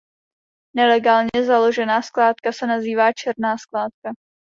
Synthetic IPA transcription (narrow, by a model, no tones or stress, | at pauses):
nɛlɛɡaːlɲɛzalo̞ʒɛnaːsklaːt̪kasɛnaziːvaːt͡ʃɛɾnaːsklaːt̪̚ka